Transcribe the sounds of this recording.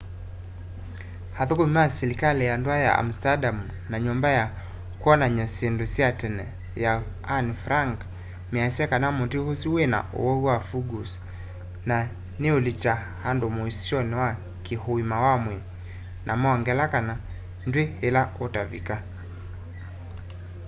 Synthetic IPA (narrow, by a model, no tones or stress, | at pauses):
haðɔkɔimasɛlikalɛjandɔaja̰a̰m̩stadamu | naɲɔmbaja | kwɔnaɲasɛndusiatɛnɛ | jaː | nifɾaŋɡ | miasakanamɔtihusiwɛna̰ʔɔ̰wɔiwafuɡus | na | niulit͡ʃa | handɔmuisiɔnɛwa | kihɔimawamwɛ | nʔamɔaŋɡɛlakana | ndwɛhɛlaɔtavḭka